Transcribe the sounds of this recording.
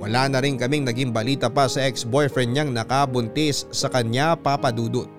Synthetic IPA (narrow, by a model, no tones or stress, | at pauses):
wɐlaːnɐɾɪŋkɐmɪŋnɐɡiŋbɐliːt̪ɐpɐsɐʔɛksbojfɛnɲaŋnɐkabʊnt̪ɪsːɐkɐɲapapɐd̪uːd̪ot̪̚